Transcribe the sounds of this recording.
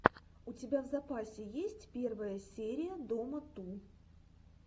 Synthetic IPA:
ʊtʲɪbʲavzɐpasʲɪjesʲtʲpʲe̞rvəjəsʲeɾʲɪjəd̪omət̪u

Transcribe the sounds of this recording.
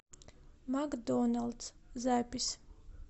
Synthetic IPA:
maɡd̪ɔnalˠt̪szæpis

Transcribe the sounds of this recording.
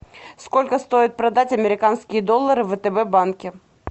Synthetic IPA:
sko̞lʲkəst̪o̞jɪt̪̚pɾɐd̪atʲɐmʲɪɾʲɪkanskʲɪjəd̪olˠːəɾɨvət̪ɛbɛbankʲɪ

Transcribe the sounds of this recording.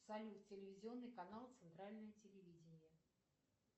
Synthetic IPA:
salʲʊtʲɪlʲɪvʲɪzʲɪo̞nːɨjkɐnalˠt̪sɨnt̪ɾalʲnəjətʲɪlʲɪvʲidʲɪnʲɪjə

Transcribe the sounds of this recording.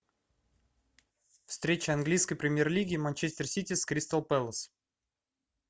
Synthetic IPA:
fst̪ɾʲet͡ɕəɐnɡlʲijskəjpɾʲɪmʲjerlʲiɡʲɪːmanʲt͡ɕesʲt̪ʲɪrsʲitʲɪskɾʲist̪əlˠpɛlˠəs

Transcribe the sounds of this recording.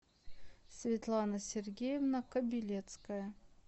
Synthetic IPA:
sʲvʲɪt̪lˠanəsʲɪrɡʲejɪvnəkəbʲɪlʲet̪skəjə

